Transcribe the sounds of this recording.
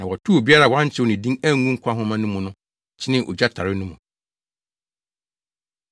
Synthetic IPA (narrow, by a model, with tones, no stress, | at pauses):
nã˨wɔ˨tʰu˦o˨bi˦a˦ɾa˦˨wã˦ɲ˦t͡ɕʰɪ˦wnɪ̃˨dĩ˦ŋæ˦ŋũ˦ŋ̩˦kʷʰa˦ɦʊ̃˦mã˦nʊ̃˦mũ˨nʊ̃˦ | t͡ɕʰɪ˦nɪ̃˦ʔo̰˨d͡ʑa˦tʰa˨ɾɪ˦nʊ̃˦mũ˨